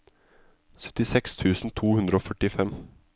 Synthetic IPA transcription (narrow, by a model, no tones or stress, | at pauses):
sœ̥t̪ɪsɛkst̪ʰʉːsn̩t̪ʰuːhʉnd̪ɾəoːfœʈɪfɛm